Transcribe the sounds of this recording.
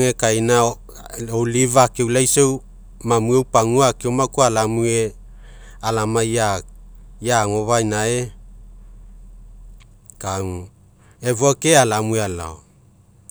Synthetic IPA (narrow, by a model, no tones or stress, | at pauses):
ŋekajna | olivakewlajsew | mamuewpaŋuakewmakualamue | alamaja | jaŋoβajnae | kaŋu | evuakealamueala̰o